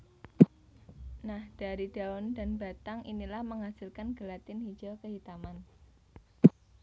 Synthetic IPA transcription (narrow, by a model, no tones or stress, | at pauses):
nahd̥aɾid̥aɔnda̤nba̤t̪aŋinilahməŋɦasɪlkanɡ̥əlat̪ɪnhi̥d͡ʒ̥akəɦit̪aman